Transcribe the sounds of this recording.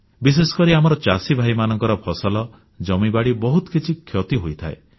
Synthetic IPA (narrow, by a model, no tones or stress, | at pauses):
bis̬esɔ̥kɔɾiamɔɾɔt͡ʃasibʱajmanɔŋkɔɾɔpʰɔsalɔ | d͡ʒɔmibaɽibɔɦut̪ɔ̥kit͡ʃʰikʰjɔt̪iɦojt̪ʰae